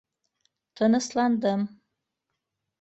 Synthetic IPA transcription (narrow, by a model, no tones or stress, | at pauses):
tʰɨnɨsland̪əm